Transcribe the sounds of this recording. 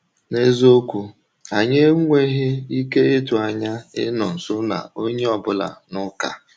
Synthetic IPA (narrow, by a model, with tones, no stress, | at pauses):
ne˦zo˦kʷu˨ | a˨ɲe˦ŋʷe˦ɦɪ˦i˦ke˦ɪ˦tʊ˨a˨ɲa˦ɪ̰˦nɔ˨n̩˨sʊ˦na̰˨o˦ɲe˦ɔ˨bʊ˦la̰˨nʊ˦ka̰˨